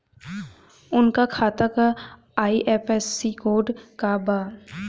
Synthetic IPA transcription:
ʊnkakʰaːt̪akaː | iʔɛːpɛsːikoːɖkabaː

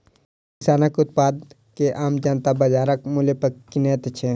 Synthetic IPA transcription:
ɪsaːnakʊt̪̚paːd̪̚ | keʔaːmd͡ʒaːnt̪abɐd͡ʒaːɾɐkmulepɐkːineːt̪t͡ʃʰe

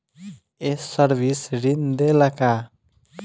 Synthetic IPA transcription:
ɛsəɾbisɾind̪ɛlaka

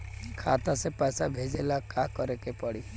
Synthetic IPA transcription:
kʰat̪asepasabʱed͡ʒelakakɔɾekepɔɽi

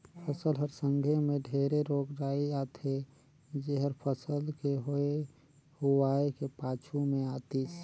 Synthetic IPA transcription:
pʰəsəlɦəɾsə̃ŋɡʱemẽɖʱeɾeɾoːkɾaːiaːt̪ʰe | d͡ʒeɦəɾpʰəsəlkeɦoe | huaːekepaːt͡ʃʰumẽaːt̪is

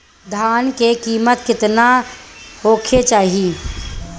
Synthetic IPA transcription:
d̪ʱaːnkekiːmət̪kɪt̪nahoːkʰet͡ʃaːɦii

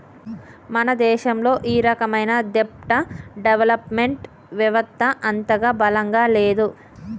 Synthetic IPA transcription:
mɐnɐd̪ɛːʃɐmlo̞ːʔiːɾɐkɐmɐjnɐd̪ep̚ʈɐɖeʋɐlɐpmeɳʈ | ʋɐʋɐst̪ʰːɐʔɐnt̪ɐɡaːbɐlɐŋɡaːleːd̪u

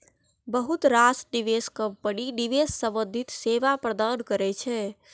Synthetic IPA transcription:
bəɦut̪ɾasɖiʋeskəb̚pəɽiɖiʋesːəbəd̪ʱit̪seʋapɾəd̪əɽkəɾɛt͡ʃʰɛ

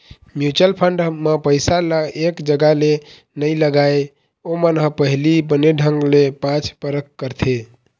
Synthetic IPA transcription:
mjut͡ʃəlpʰəɳɖmepəjsaləekd͡ʒəɡale | nəjləɡaj | omənɦə̃pəɦilibəneɖʱəŋɡlepãt͡ʃʰpəɾəkːəɾt̪ʰe

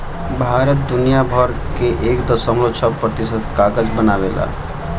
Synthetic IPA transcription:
bʱaɾət̪̚d̪unijabʱəɾ | keʔekd̪əsəmlosʰəpɾət̪isət̪kaɡəd͡ʒbənaβela̰

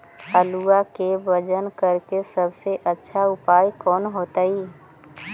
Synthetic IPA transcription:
əluakebəd͡ʒənkəɾkesəbseʔətːʃʰaʊpaːjkɔːnɦoːt̪aiː

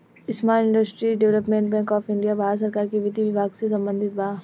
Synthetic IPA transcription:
ɪsmaːɪ̃ɳɖəsʈɾiɖɛʋləpmẽːɳʈbɛ̃ːŋkɔːfɪɳɖijabʱaːɾs̬əɾkaːɾkeʋɪd̪iʋɪbʱaːɡsesɐ̃mbə̃nd̪ʱɪt̪baː

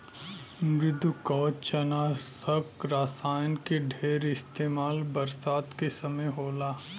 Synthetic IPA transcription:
ɡɪd̪ʱukɔːt͡ʃɐnaːsəkɾaːsaːjnkeɖʱeːɾɪst̪eːmaːlbɐɾsaːt̪kesɐməjɦoːlaː

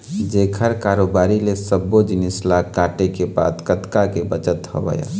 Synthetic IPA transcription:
d͡ʒeːkʰəɾkaɾobaːɾilesəbːod͡ʒinislakaːʈekeba̰ːd̪kət̪kakebət͡ʃət̪hɔ̰bə̰ja̰

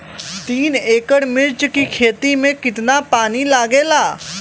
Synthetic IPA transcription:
t̪iːneːkəɽmɪɾt͡ʃkikʰeːt̪imẽkɪt̪napaːnilaːɡeːlaː

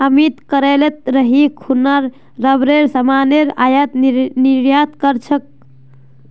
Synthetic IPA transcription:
əmit̪kəɾelet̪̚ɾəɦikʰunaɾː | əbɾeɾsəmaneɾajət̪niɾjat̪kəɾt͡ʃʰək̚

